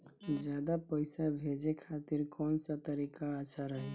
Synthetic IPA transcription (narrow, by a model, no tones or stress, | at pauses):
d͡ʒjad̪apəɪsabʱed͡ʒekʰat̪iɾkɔnsat̪əɾikaːt͡ʃʰaɾəɦɛ